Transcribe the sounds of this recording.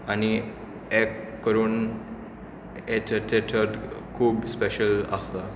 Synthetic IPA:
ani | ekː | əɾuːn | et͡ɕət̪eʈʰəɾkʰuːbspeɕəla̰st̪a

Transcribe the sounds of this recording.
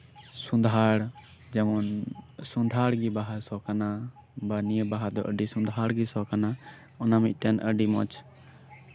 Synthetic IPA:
sũnd̪ʱaɽ | d͡ʒɛmɔnsũnd̪ʱaɽɡibaɦasɔkana | banijəbaɦad̪ɔʔəɖisũnd̪ʱaɽɡisɔkana | ɔnamic̪̚ʲˀʈ̪ɛnʔə̰ɖimɔ̰t͡ʃ

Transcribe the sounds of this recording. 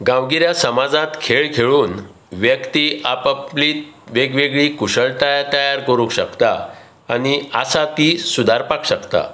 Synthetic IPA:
ɡãwɡiɾjasəmad͡zãt̪kʰeɭkʰeɭuːn | ʋjəkt̪iʔapəpliːt̪ʋeɡʋeɡɭiːkuɕəɭt̪ajat̪əjaɾkəɾũkɕəkt̪a | añiasat̪isud̪ʱaɾpakɕəkt̪a̰

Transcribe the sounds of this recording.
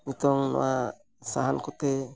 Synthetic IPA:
ut̪ɔŋnɔ̰wa | saɦankɔt̪e

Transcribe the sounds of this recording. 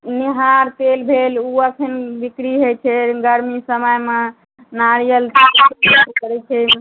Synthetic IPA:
niɦaɾt̪elbʱeluəkʰənbikɾiɦojt͡ʃʰɛɡəɾmisəməjmẽ | naɾijəl | kəɾɛt͡ʃʰɛ

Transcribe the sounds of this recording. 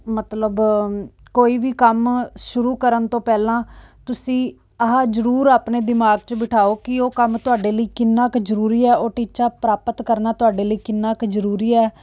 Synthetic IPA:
mət̪ləb | koːiːʋiːkəmʃʊɾuːkəɾənt̪õːpɛːlãːt̪ʊsĩː | əɦãːd͡ʒəɾuːɾaːpɳeːd̪ɪmaːɡ̚t͡ʃəbɪʈʰaːoːkɪoːkəmt̪ʊaːɖeːləiːkɪnːaːkzəɾuːɾiːɛːoːʈiːt͡ʃaːpɾaːpət̪kəɾnaːt̪ʊaːɖeːləiːkɪnːaːkzəɾuːɾiːɛː

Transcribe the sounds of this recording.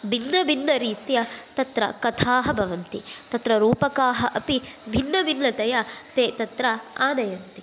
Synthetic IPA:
bʱinːɐbʱinːɐɾiːt̪jɐt̪ɐt̪ɾɐ̰kɐt̪ʰaːɦɐbʱɐʋɐnt̪it̪ɐt̪ɾɐɾuːpɐkaːɦɐʔɐpibʱinːɐbʱinːɐt̪ɐjɐt̪eːt̪ɐt̪ɾɐaːnɐjɐnt̪i̥

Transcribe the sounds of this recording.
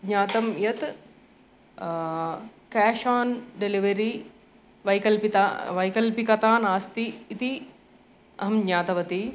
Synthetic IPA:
ɲaːt̪ɐmjɐt̪ | kɛːʃaːnɖeliʋɐɾi | ʋɐjkɐlpit̪aʋɐjkɐlpikɐt̪aːnaːst̪iːt̪i | ɐɦɐmɲaːt̪ɐʋɐt̪i

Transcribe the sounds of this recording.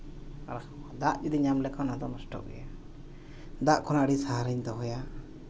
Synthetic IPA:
aɾa | d̪aʔd͡ʒid̪ɛɲamlɛkʰanad̪ɔnɔsʈɔ̰ʔɡɛ̰ja | d̪aʔkʰɔnaʔɽisaɦaɾiɲd̪ɔɦɔja

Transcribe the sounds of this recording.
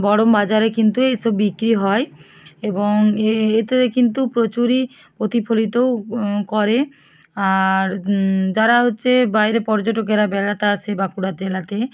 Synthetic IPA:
bɔɽombad͡ʑaɾekint̪uejʃɔbːikɾiɦɔe | eboŋet̪ekint̪upɾot͡ɕuɾi | pot̪ipʰolit̪owkoɾe | aɾd͡ʑaɾaɦotːɕʰebajɾepɔɾd͡ʑoʈokeɾabɛlat̪aat͡ɕʰebakuɽad͡ʑelat̪e

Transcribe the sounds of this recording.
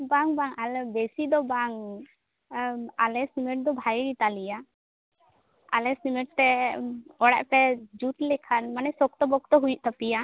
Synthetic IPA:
baŋbaŋalɛbesid̪ɔbaŋ | alɛsimɛʈ̚d̪ɔbʱajɾit̪alija | a̰lɛsimɛʈ̚t̪ɛ | ɔɽɛ̰ʔpɛd͡ʒut̪lɛkʰanmanɛsɔk̚t̪ɔbɔk̚t̪ɔɦujuʔ̚t̪apija

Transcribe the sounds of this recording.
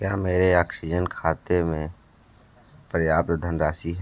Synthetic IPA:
kjaːmeːɾeaːksid͡ʒənkʰaːt̪emẽ | pɾjaːp̚t̪d̪ʱənɾaːsiɦɛ

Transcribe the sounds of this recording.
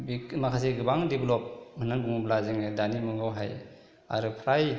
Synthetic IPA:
bimakʰas̬eɡɯbaŋdiblɔp̚hɯnaŋɡuŋublaziŋadanimɔŋɡawɦaj | a̰ɾɯpʰɾaj

